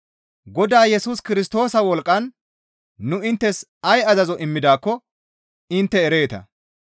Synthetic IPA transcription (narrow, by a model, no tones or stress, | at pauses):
ɡɔd̪aːjɛsuːskɪɾɪst̪o̞ːsɐwɔlkʼːɐnː | ʊɪnt̪ːɛs | ɐjɐzɐzɔʔɪmːɪd̪aːkːɔ | ɪnt̪ːɛːɾe̞ːt̪ɐ̰